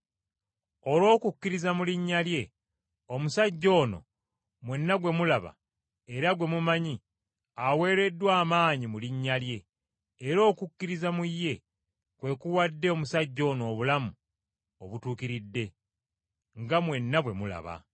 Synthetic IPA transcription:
o̞lo̞ːkukːiɾizamuliɲːalje̞ | o̞musaɟːo̞ːno̰ | mwe̞nːaɡwe̞mulaβa̰ | e̞ɾaɡwe̞mumaɲi | awe̞ːɾe̞dːwaːmaːɲimuliɲːalje̞ː | ɾo̞ːkukːiɾizamujːe̞ | kwe̞kuwadːe̞omusaɟːo̞ːno̞ːβulamu | oβutuːkiɾidːe̞ | ŋɡamwe̞nːaβwe̞mula̰βa̰

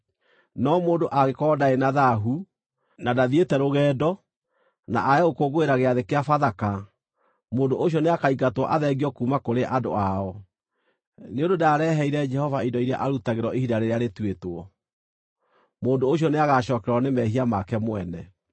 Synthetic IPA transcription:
nɔmoːndoʔaɣekɔdaenaðaɦu | nadaðietɛɾoɣɛːdɔ | na̰ʔaɛokoɣoeɾaɣeaðekeafaðaka | moːndoʔoɕ̬ɔneakaiɡatwɔʔaðɛɣiɔkuːmakoɾeʔado̰aɔ | neondodaɾɛɦɛiɾɛd͡ʒɛhɔvaidɔiɾa̰ʔaɾutaɣeɾɔʔihidaɾeɾeaɾetwetoɔ | moːndoːɕ̬jɔneaɣaɕɔːkɛɾɔnemɛhiamakɛmwɛnɛ

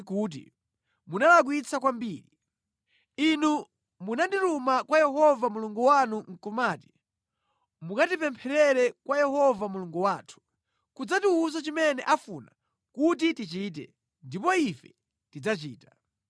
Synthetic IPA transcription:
kuːt̬ḭ | munalak̬wit͡sak̬wambiːɾi | inu | munanditumakwajɛɦɔvamuluŋɡuwanuŋ̩kɔmaːti̥ | mukatipɛmpʰɛɾɛɾɛkwajɛhɔvamuluŋɡuwaːtʰu̥ | kud͡zatiuzat͡ʃimɛnɛʔafuna | kut̬itit͡ʃit̬ɛ̰ | ndipɔifɛ | tid͡zat͡ʃiːtḁ

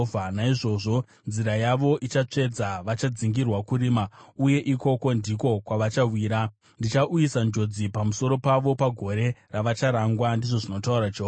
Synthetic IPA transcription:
anaiʐo̞ʐo̞ | nziɾajaʋo̞ʔit͡ʃat͡ʂe̞d͡zaʋat͡ʃad͡ziŋɡirwakuɾiːmauje̞ʔiko̞ko̞ndiko̞kwaʋat͡ʃawiːɾa | ndit͡ʃaʔujisand͡ʒo̞d͡zipamuso̞ɾo̞paʋo̞paɡʱo̞ɾe̞raʋat͡ʃaɾaŋɡwandiʐo̞ʐino̞tauɾad͡ʒoa

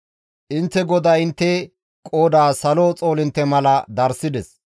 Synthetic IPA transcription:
ʔɪnt̪ːɛɡɔd̪aɪnt̪ːɛ | kʼoːd̪aːsɐloːt͡sʼo̞ːlɪnt̪ːɛmɐlɐd̪ɐɾsɪd̪ɛs

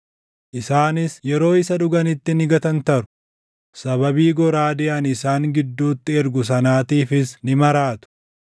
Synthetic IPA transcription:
ʔɪsaːnɪsjɛɾo̞ːɪsɐᶑʊɡɐnɪt̪ːɪnɪɡɐt̪ɐnt̪ɐɾʊ̥ | sɐβɐbiːɡɔɾaːd̪ɪʔɐnɪsaːŋɡɪd̪ːuːt̪ːɪɛɾɡʊs̬ɐnaːt̪iːfɪsnɪmɐɾaːt̪ʊ̥

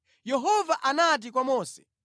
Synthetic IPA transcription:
jɛɦɔvaʔanat̬ik̬wamɔːsɛ̥

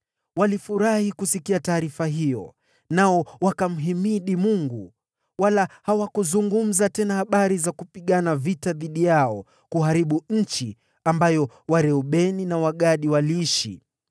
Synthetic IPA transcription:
walifuɾahikusikiataːɾifaɦijɔ̰ | naɔwakam̩ɦimiɗimuŋɡu | walahawakuzuŋɡum̩zatɛnahaɓaɾizakupiɠanavitaðiɗijaɔ | kuɦaɾiɓuɲ̩t͡ʃi | ambajɔ | waɾɛɔɓɛninawaɠaɗiwaliiʃḭ

